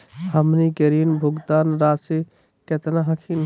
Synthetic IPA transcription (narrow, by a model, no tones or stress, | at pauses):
həmnikəɾinbʱuɡt̪anɾasi | ket̪naɦəkʰin